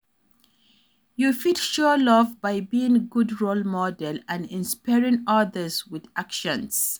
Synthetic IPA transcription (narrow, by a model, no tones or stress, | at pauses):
jufitʃulʌvbaɪbiɪ̃ŋɡʊdɹolmɔdɛlãnɪ̃nspaɹɪ̃ŋʌðəzwɪðakʃə̃ns